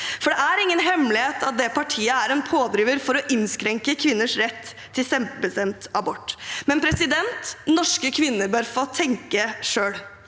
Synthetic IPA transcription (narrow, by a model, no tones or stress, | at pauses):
fɔɖɛæɾɪŋːənɦɛmlɪeːt̪ʰɑt̪̚d̪ɛpʰɑʈʰiːəæɾɛnpʰoːd̪ɾiːʋəɾfɔɾɔʔɪnskɾɛŋkəkʰʋɪnːəʂɾɛt̪ʰː | ɪlsɛmpəbəst̪ɛmt̪ɑbɔʈːmɛnpʰɾɛsɪd̪ɛnt̪nɔʂkəkʰʋɪnːəɾbøːɾfoːt̪ʰɛŋkəʂøːɽ